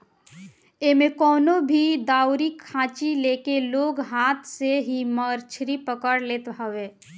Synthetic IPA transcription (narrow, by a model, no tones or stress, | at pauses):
emẽkɔːnobʱid̪aːwɾikʰãːt͡ʃilekeloːɡɦaːt̪ʰseɦiməɾt͡ʃʰɾipəkəɽleːt̪ɦaʋe